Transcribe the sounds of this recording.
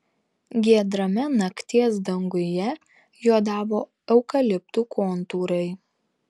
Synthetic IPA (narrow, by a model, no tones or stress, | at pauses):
ɡʲiɛd̪ɾɐmʲɛnɐkt̪ʲiɛsd̪ɐŋɡʊjɛ | joːd̪ɑːʋoː | ɛʊkɐlʲɪpt̪ukʰoːnt̪uːɾɐɪ